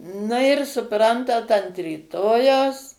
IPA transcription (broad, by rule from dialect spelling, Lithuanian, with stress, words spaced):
nɐ ɪr sʊˈprɐntɐt ɐnt rʲiːˈtoːjɛʊs